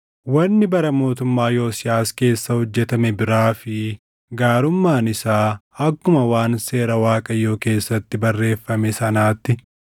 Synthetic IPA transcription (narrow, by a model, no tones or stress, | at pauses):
wɐnːɪbɐɾɐmo̞ːt̪ʊmːaːjo̞ːsɪjaːske̞ːsːɐhɔd͡ʒːɛt̪ɐmɛbɪɾaːfɪ | ɡaːɾʊmːaːnɪsaːɐkːʊmɐwaːnse̞ːɾɐwaːkʼɐjːo̞ːke̞ːsːɐt̪ːɪbɐrːe̞ːfːɐmɛsɐnaːt̪ːɪ